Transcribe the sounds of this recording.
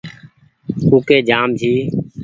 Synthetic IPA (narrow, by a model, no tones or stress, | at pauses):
kuːkeːd͡ʒaːmd͡ʒʱiː